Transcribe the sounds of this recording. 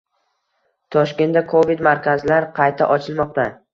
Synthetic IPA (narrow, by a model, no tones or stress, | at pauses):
t̪ʰɒʃkʲe̞nakʰovid̪maɾkʲazɪlaɾqʰɑjt̪ʰa̰ʔɒt͡ʃʰɪlˠmɒq̚t̪a